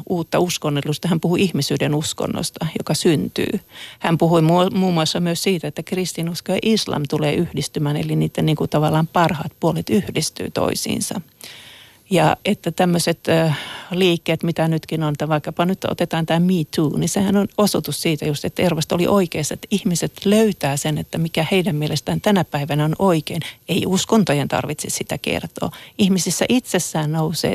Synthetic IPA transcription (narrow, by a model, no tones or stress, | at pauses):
uːt̪ːɑuskonːelːust̪ɑhæmpuhuʔihmisyːdenusko̰nːo̰st̪ɑjokɑsynt̪y̰ːhæmpuhuimumuːmːuɑsːɑmyøssiːt̪æet̪ːækrist̪inuskojɑ̰ʔislɑ̰mt̪ulḛːʔyhdist̪ymæːnḛliniːt̪ːeniːŋkut̪ɑʋɑlːɑːmpɑrhɑːt̪̚puolet̪yhdist̪y̰ːt̪o̰isḭːnsɑ̰ | jɑet̪ːæt̪æmːøset̪ːliːkːeːt̪mit̪ænyt̪kinont̪æʋɑikːɑpɑnyt̪o̰t̪et̪ɑːnt̪æːmiːt̪ʰuːnisehænonosot̪ussiːt̪æjust̪et̪ːæerʋɑst̪olḭʔoikeːsːɑet̪ːihmiset̪løyt̪æːsenet̪ːæmikæheidæmmielest̪æːnt̪ænæpæiʋænæonʔoikeːneiuskont̪ojent̪ɑ̰rʋit̪sessit̪ækḛrt̪o̰ːihmisisːæ̰ʔit̪sesːæːnnousḛː